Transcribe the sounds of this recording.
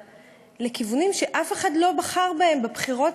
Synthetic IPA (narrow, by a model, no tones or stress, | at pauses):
le̞kivunimʃe̞ʔafe̞χadlo̞baχaʁbae̞mbabχiʁo̞t